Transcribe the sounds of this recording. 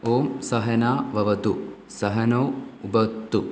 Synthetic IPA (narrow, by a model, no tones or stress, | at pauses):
oːmsɐɦɐnaːʋɐʋɐt̪u | sɐɦɐnoːubɐt̪ːu